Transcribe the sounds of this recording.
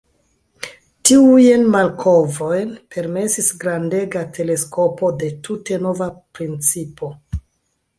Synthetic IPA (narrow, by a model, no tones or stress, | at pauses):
tiujenmalkʰo̞vo̞jnpʰe̞ɾme̞sisɡɾande̞ɡatʰe̞le̞sko̞po̞de̞tute̞no̞vapɾint͡sipʰo̞